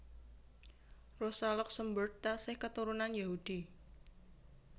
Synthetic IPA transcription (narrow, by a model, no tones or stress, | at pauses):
rosalɔk̚səmbərasɪhkət̪uɾunanjaɦud̥i